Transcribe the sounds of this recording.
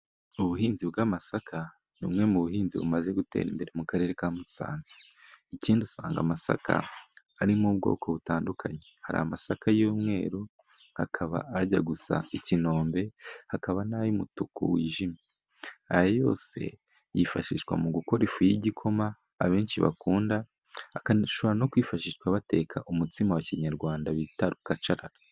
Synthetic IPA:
uβuɦiːnzibɡamasakʰa | numŋe̞muβuɦiːnziβṵmaze̞ɡute̞̰ːɾḭmbe̞ɾe̞mukaɾe̞ːɾe̞kamusa̰ːnzi̥ | iciːndiusaːŋɡa̰masa̰kʰa̰ː | ɾimubɡo̞̰ːkʰo̞βutaːndukʰaɲehaɾa̰amasakʰajuːmŋe̞̰ːɾu | hakʰaβa̰ːɟaɡusa̰icino̞ːmbe̞hakaβanajumutukṵwiːʒime | ajajo̞̰ːse̞̰ | jifaʃiʃwa̰muɡuko̞ɾifujiɟikʰo̞maː | βe̞ːnt͡ʃiβa̰kuːndaː | kaʃo̞βoɾano̞kwiːfaʃiʃwaβate̞ːkʰaʔumutimawaciɲaɾɡwaːndaβitaɾukat͡ʃaɾaɾa

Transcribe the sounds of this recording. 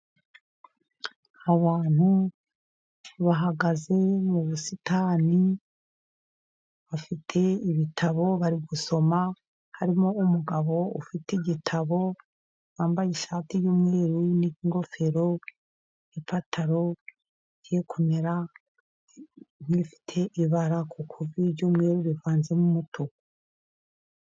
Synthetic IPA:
aβaːn̥hu | βaɦaɡaze̞muβusitaːni | βafitʰe̞iβitʰaβo̞βaɾiɡuso̞ma | haɾimo̞umuɡaβo̞ṵfiteɟitʰaβo̞ | waːmbajeʃaːtijuːmŋeːɾuniiŋɡo̞fe̞ɾo̞ | ipatʰaɾo̞ | ɟekʰuneɾa | n̥ifi̥tʰe̞ʔiβaɾakʰukʰuviɾɟuːmŋeːɾuβivaːnzemumutʰuk

